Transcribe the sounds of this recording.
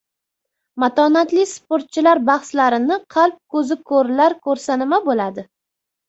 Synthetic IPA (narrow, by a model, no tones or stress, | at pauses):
mat̪ʰɒnat̪lɪspoɾt̪̚t͡ʃʰɪlaɾbɑχslaɾɪnɪqʰɑlˠp̚kʰɵzɪkʰɵɾlaɾkʰɵɾsanɪmabolad̪ɪ